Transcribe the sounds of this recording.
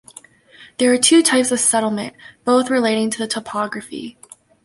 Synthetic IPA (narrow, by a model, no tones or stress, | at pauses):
ðə˞ːtʰʉtʰaɪpsʌv̥sɛɾl̩ˠmɨ̰̃nb̥oʊθɹɨleɪɾɪ̃ŋtʰɨðɨtʰəpʰɑɡɹɨfḭ